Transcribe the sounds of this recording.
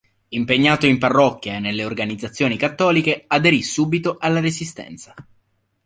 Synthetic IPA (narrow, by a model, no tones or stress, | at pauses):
impeɲːaːt̪oimparːɔkːjaenelːeorɡanid̪zat̪sːjoːnikat̪ːɔːlikead̪eɾisuːbit̪oʔalːaɾezist̪ɛ̰nt̪sa